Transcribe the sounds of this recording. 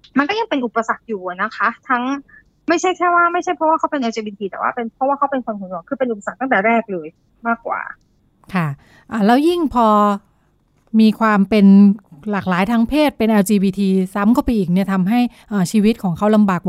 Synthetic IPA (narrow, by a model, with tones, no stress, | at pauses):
ma˧nkɔ˥˩ja˧ŋpe˧nʔu˨˩pːa˧sa˨˩k̚juː˨˩a˨˩na˦˥kʰa˦˥t̪ʰa˦˥ŋ | ma˥˩jt͡ɕʰa˥˩jkʰɛː˥˩waː˥˩ma˥˩jt͡ɕʰa˥˩jpʰɾɔ˦˥waː˥˩kʰa˦˥wpe˧nʔɛː˧wt͡ɕe˧biː˧t̪ʰiː˧t̪ɛ̰˨˩wa̰ː˥˩pe˧npʰɾɔ˦˥waː˥˩a˦˥wpe˧nkʰo˧nsʰo˨˩˦nɔː˧ŋkʰɯː˧pe˧nʔu˨pa˧sa˨˩k̚t̪a˥˩ŋt̪ɛː˨˩ɾɛː˥˩k̚lɤː˧j | maː˥˩kwa̰ː˨˩ | kʰa˥˩ | ʔaː˨˩lɛː˦˥wji˥˩ŋpʰɔː˧ | miː˧kʰwaː˧mpe˧nlaː˨˩k̚laː˩˦jt̪ʰaː˦˥ŋpʰeː˥˩t̪̚pe˧nʔɛː˧wt͡ɕiː˧biː˧t̪ʰiː˧sa˦˥mkʰa˥˩pa˧jʔiː˨˩k̚ni˥˩ɐt̪ʰa˧mɦa˥˩j | ʔaː˨˩t͡ɕʰiː˧wi˦˥t̪̚kʰɔː˩˦ŋkʰa˧˦˥wla˧mbaː˨˩k̚